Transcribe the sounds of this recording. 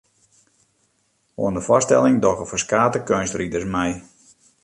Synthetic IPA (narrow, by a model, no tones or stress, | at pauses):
o̰əndəfɔstɛ̰lˠɪŋdɔɣəfəskaːtəkønstridərsmɛj